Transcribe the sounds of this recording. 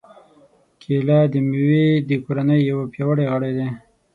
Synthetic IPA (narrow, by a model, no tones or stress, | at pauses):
kʰelɑd̪əmiwid̪əkoɾanəjːawapjɑwəɽeɣəɽed̪e